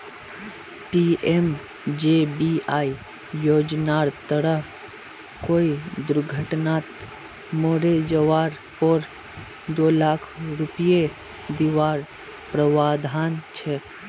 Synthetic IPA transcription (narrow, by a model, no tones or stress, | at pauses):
piem | d͡ʒebiaːi | joːd͡ʒnaːɾt̪əɾəɦ | koːid̪ʊɾɡʱəʈnaːt̪ | moɾed͡ʒəʋaːɾ | poɾ | d̪oːlaːkʰɾʊpije | d̪iʋaːɾ | pɾəʋaːd̪ʱaːnt͡ʃʰe